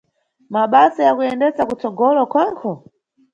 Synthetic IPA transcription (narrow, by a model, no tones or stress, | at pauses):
maɓasɔjakujɛndɛsakut͡sɔɡɔlɔkwaŋkʰɔ